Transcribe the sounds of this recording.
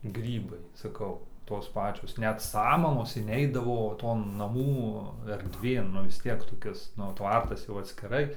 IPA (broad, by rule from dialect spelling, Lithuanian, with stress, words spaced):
ˈɡrʲiːbɐɪ sɐˈkɐʊ ˈtoːs ˈpɑːt͡ʃʲoːs ˈnʲɛt sɐmɐmoːs ɪnʲˈɛɪdɐʋoː ˈtoːn nɐˈmuː ɛrʲdʲˈʋʲeːn nʊ ʋʲɪs ˈtʲiɛk toːˈkʲɪs nʊ ˈtʋɐrtɐs jɛʊ ɐtʲsʲkʲɪˈrɐɪ